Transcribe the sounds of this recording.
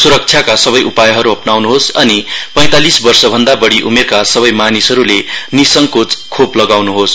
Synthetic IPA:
suɾʌk̚t͡sʰjakasʌbʌjʔupajʌɦʌɾuɦʌpnawnuɦosʌnipʌ̃j̃t̪alisbʌrsʌbʱʌnd̪abʌɽiʔumerkasʌβʌjmanisɦʌɾulenisʌŋkot͡skʰoplʌɡawnuɦos

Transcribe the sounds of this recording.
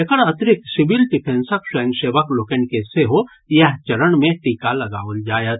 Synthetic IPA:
ekəɽɐt̪ɾɪksɪbɪlɖɪpʰẽnsəksəjə̃ŋɡʃeːʋəkloːkənkeseɦo | jɐɦt͡ʃɐɾəɽ̃mẽʈiːkalɐɡaːʋəld͡ʒaːjət̪

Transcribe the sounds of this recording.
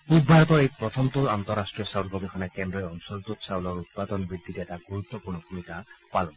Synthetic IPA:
ubbʱajɔt̪ɔejpɹɔt̪ʰɔmt̪uant̪ɔɾasʈɹijɔsawlɡɔbexʰɔnakɛndɹɔjɔnusɔlt̪utsawlɔɹut̪̚pad̪ɔnbɹid̪ʱːitɛtaɡuɹut̪ːɔpuɹnɔkumitapalɔn

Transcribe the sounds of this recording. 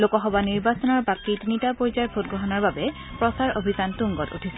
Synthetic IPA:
lokɔɦɔbaniɹbasɔnɔɹbakitinitapoɹzaɹpʰot̚ɡɹɔɦɔnɔɹbabɛ | pɹɔsaɹobʱizantuŋɡɔtṵtʰisɛ

